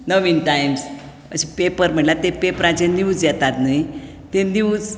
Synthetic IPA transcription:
noʋinʈajms | ə̰ɕĩpepəɾm̤əɳlat̪epepɾãt͡seniwt͡sjɛt̪at̪nəi | t̪ẽniut͡s

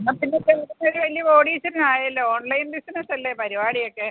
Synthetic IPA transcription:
nːɐmpinːet̪ːelkːɨtːoɾuʋɐlijɐpoːɽiːsɐɾɨnaːjɐlːooːɳlɐjnd̪isɐnɐt̪ːɐlːepɐɾibaːɽijo̞kːe

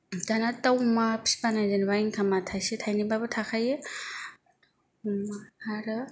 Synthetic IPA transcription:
danatawmapʰi̥panajdenbajŋkʰamatʰajsetʰajnibabɯtʰakʰaje | aɾɯ

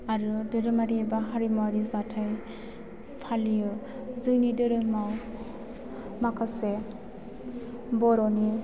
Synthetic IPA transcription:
aɾɯdɯɾɯmaɾibaɦaɾimaaɾizatʰaj | pʰalijɯ | zɯnidɯɾɯmaw | makʰase | bɔɾɔni

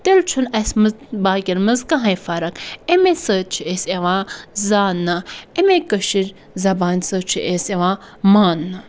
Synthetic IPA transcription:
t̪elt͡ʃʰunɐsmbaːkʲiɾmɐzkãɦɐ̃jfaɾɐkemesəːt͡ʃʰieseʋãːzaːnːɐemekəʃiɾʲ | zɐbaːnʲsəːt͡ʃʰiʔeseʋãː | maːnːɐ

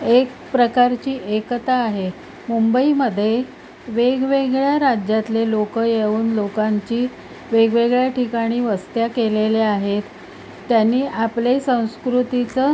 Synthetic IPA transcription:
ek | pɾəkaɾt͡ɕiːʔekt̪aːɦe | mumbəiməd̪ʱːje | ʋeɡʋeɡɭjaɾad͡ʑjat̪lelokəjeuːnlokaɲt͡ɕiː | ʋeɡʋeɡɭjaʈʰikaɽ̃iːʋəst̪jakeleleaɦet̪ː | janːiːʔaplesə̃w̃skɾut̪it͡sə

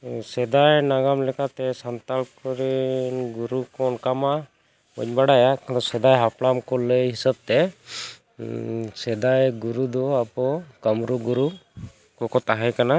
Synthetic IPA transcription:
sɛd̪ajnaɡamlɛkat̪ɛsant̪alkɔɾɛnɡuɾukɔnkama | ə̰ɲbaɽajakd̪ɔsɛd̪ajɦaplamkɔləɦisəb̚t̪ɛ | sɛd̪ajɡuɾud̪ɔapɔkəmɾuɡuɾu | kɔkɔt̪aɦajkana

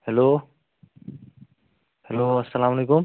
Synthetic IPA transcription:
helo | heloɐsɐlaməlekum

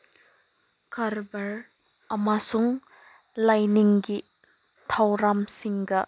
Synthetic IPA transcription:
kʰɐɾbɐɾ | ɐmasuŋ | lajniŋɡi | tʰawɾamsiŋɡɐ

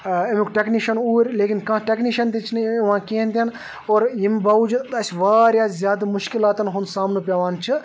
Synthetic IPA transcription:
ɐmikʈekniʃɐnuːɾʲleːkinkɐ̃ʈekniʃɐnt̪it͡ʃʰniʋãːkẽːnt̪ɐn | oːɾjimbɐud͡ʒt̪ɐsʋaːɾjaːzʲjaːd̪ɐmʊʃkilaːt̪ɐnɦunsaːmnupʲɐʋaːnt͡ʃʰi

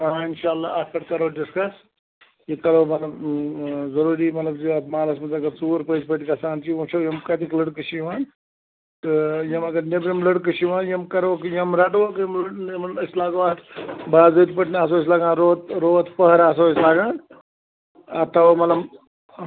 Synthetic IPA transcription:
aːɪnʃaːlːaːɐt̪ʰɐʈkɐɾoːɖɪskɐs | jikɐɾoːmɐt̪lɐb | zɐɾuːɾiːmɐt̪lɐbd͡ʒiɐt̪maːlɐsmɐt̪ɐɡɐɾt͡suːɾpət͡ʃpəʈikɐsaːnt͡ʃiut͡ʃʰɐːjɐmkɐt̪ikləɽkɨʃiʋaːn | t̪ɨjɐmɐɡɐɾnebɾimləɽk̬ɨʃiʋãːnjɐmkɐɾkjɐmɾɐʈʋokjɐmlmɐslaːɡoːaːt̪baːzoːt̪pɐʈʰnaːs̬oːs̬laːɡãːnɾoːt̪ɾoːt̪pɐɦɐɾaːs̬oːslaːɡãːn | ɐt̪ʰɐʋamɐt̪lɐb

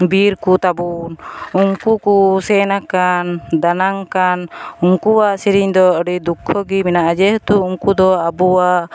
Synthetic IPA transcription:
biɾkut̪abunuŋkukusɛnakand̪anaŋkanuŋkuwaʔsiɾiɲd̪ɔɔɖid̪ukʰːɔɡiminaʔad͡ʒɛht̪uuŋkud̪ɔabuwaʔ

